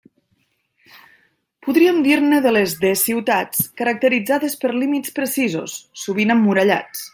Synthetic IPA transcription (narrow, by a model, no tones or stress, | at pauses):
puðɾiəmd̪iɾnəðəlezðesiwt̪at͡skəɾək̚t̪əɾid͡zaðespəɾlimit͡spɾəsizṵsːuβinəmːuɾəʎa̰t͡s